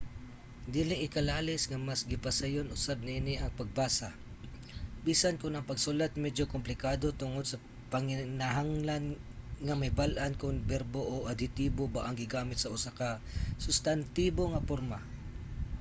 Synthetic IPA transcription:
d̪iːlɪʔɪkɐlaːlɪsŋɐmasɡɪpɐsajonʔʊsab̚nɪʔɪnɪʔɐŋpɐɡ̚baːsa | biːsankʊnɐŋpɐɡsʊlat̪̚mɛd͡ʒokʊmplɪkaːd̪ot̪ʊŋod̪̚sɐ | pɐŋɪnaɦaŋlanŋɐmɐjbalʔankʊŋbɛɾboʔoʔɐd̪ɪt̪iːbobaʔɐŋɡɪɡaːmɪt̪sɐʔʊsakɐsʊst̪ant̪iːboŋɐpoɾma

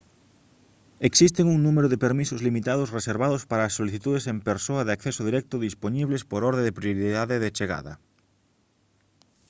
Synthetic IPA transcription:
eksist̪eŋuŋnumeɾoðepeɾmisozlimit̪að̞osreseɾβaðospaɾaːsːoliθit̪uðesempeɾsoɐðeakθesoðiɾɛk̚t̪ʊðisponiβlespoɾɔɾðeðepɾjoɾiðaðeðet͡ʃeɣa̰ðɐ̰

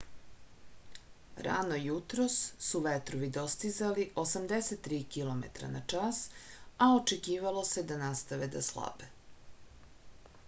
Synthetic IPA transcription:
ɾa̰nojut̪ɾosːuʋet̪ɾoʋid̪o̞st̪izaliʔosamd̪eset̪ːɾiːkilˠo̞mḛt̪ɾa̰nat͡ʂasaot͡ʃekiːʋalˠo̞sed̪anast̪aʋed̪aslˠa̰be

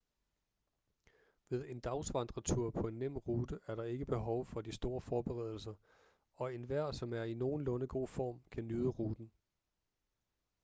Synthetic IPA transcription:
ʋe̝ð̞ˠe̝nd̥ɑ̈ʊsʋɑ̈nd̥ʁɐt͡sʰuɐ̰pʰɒ̽e̝nːem̰ʁuːd̥əʔæɐɾɑ̈e̝ɡ̥əb̥e̝ɦɒ̽ʊfɒ̽disd̥o̝ːɐfɒːb̥e̝ʁɛ̰ð̞ˠl̩s̬ɐ | ɒ̽e̝nʋæɐ̰sɒ̽mæɐino̝ːn̩lɔ̽nəɡ̥o̝̰ːfɒ̰ːmkʰænyðˠəʁuːd̥n̩

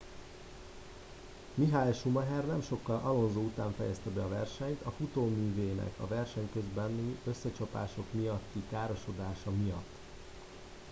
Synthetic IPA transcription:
miɦajʃumɒɦɛrnɛmʃo̞kːɒlʔɒlo̞nzoːut̪aːɱfɛjɛst̪ɛbɛɒvɛrʃɛɲt̪ɒfut̪oːmyːveːnɛ̰kʰɒ̰vɛrʃɛɲkø̞zbɛnːyø̞sːɛt͡ʃɒpa̰ːʃo̞kmijɒt̪ːikaːɾo̞ʃo̞d̪aːʃɒmijɒt̪ː

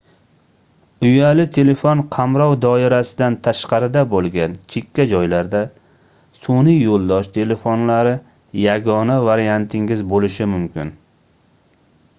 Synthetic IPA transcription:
ʊjalɪt̪ʰe̞le̞fonqʰɑmɾɒwd̪ɒɪɾasɪd̪ant̪ʰaʃqɑɾɪd̪abolˠɡʲant͡ʃʰekʲʰːad͡ʒɒjlaɾd̪a | sonijolˠd̪ɒʃt̪ʰe̞le̞fonlaɾɪ | jaɡɒnavaɾijant̪ʰɪŋɡʲɪzbolɪʃɪmʊmkʲɪ̰n

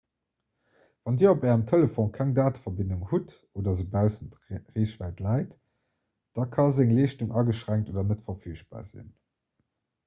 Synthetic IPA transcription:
vɑndiːɐopɛːʁəmtʰeləfõnkʰæŋdaːtfɐbinduŋhut | oːdɐzəbæʊzənt | ʁeːɕvæːɪtlɑɪt | d̥ɑkʰɑzæŋleːʃtuŋʔɑɡəʃʁæŋktʔoːdɐnətfɐfyːʃ̚b̥a̰ːzḭn

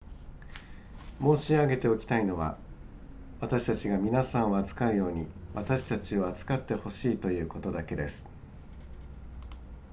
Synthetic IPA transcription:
mo̞ːɕiaɡe̞t̪e̞o̞kʲi̥t̪aino̞βa̰ | βat̪aɕi̥t̪at͡ɕiɡamʲinasãɰ̃o̞at͡sɨ̥kaɯ̟jo̞ːɲ̟iβat̪aɕi̥t̪at͡ɕio̞at͡sɨ̥kat̪ːe̞ho̞ɕiːt̪o̞jɯ̟ːko̞t̪o̞d̪ake̞d̪e̞sɨ̥

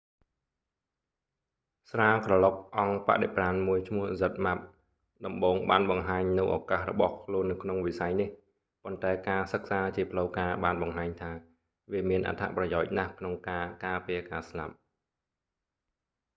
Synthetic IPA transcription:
sraːkrɑlok̚ʔɑŋpa̰ʔɗepraːnmuəjt͡ɕʰmʊ̆əhzət̪̚map̚ | ɗɑmɓoːŋɓaːnɓɑŋɦaːɲnɨwʔɔ̰kahrɔ̰ɓɑhkʰluənːɨwkʰnoŋʋisajnih | pont̪aɛkaːsək̚saːt͡ɕiəpʰləwkaːɓaːnɓɑŋɦaːɲt̪ʰaː | ʋiəmiənʔa̰t̪ʰa̰ʔprɑjaɔc̚nahkʰnoŋkaːkaːpiəkaːslap̚

